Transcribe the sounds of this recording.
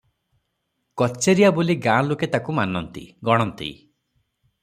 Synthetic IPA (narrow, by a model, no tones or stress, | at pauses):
kɔt͡ʃeɾijaboliɡãloket̪akumanɔnt̪ḭɡɔɽ̃ɔnt̪ḭ